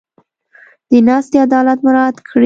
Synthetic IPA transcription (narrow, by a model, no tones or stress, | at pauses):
d̪̥ənɑst̪ead̪ɑlat̪mʊɾɑd̪kʰɽi